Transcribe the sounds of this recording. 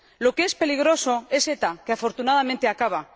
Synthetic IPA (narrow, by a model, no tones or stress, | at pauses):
lo̞keespe̞liɣɾo̞so̞e̞se̞t̪akeafo̞ɾt̪unað̞amẽnt̪eakaβ̞a